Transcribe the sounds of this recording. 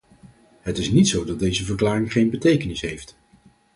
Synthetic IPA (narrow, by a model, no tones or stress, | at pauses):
ɦətɪsnitsowdɑt̚dejzəvəɹklaːrɪŋχejnbətejkənɪsɦejft